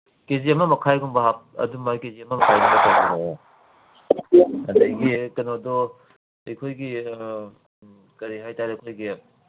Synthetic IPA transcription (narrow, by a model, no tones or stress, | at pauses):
keziɐmɐmɐkʰajɡuŋbɐɦap̚ɐ̰dumakeziɐmɐmɐkʰajɡuŋbɐkauŋbo | ɐndɐjɡikɐnodɔ | ejkʰojɡi | kɐɾiɦajtaɾekʰojɡi